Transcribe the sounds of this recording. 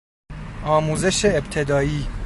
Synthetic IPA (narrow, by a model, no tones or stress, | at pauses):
ʔɒːmuːze̞ʃeːbt̪ʰe̞d̪ɒːiː